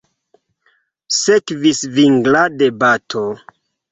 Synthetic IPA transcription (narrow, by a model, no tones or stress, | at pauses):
sekvisviŋɡladebatʰo